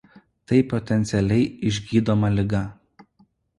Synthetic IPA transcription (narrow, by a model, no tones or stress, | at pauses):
t̪ɐɪpɔt̪ʲɛnʲt̪sʲɛlʲɛɪɪʒʲɡʲiːd̪oːmɐlʲɪɡɐ